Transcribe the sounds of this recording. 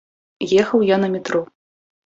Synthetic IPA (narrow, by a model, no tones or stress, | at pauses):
jɛxɐwjanɐmʲit̪ɾɔ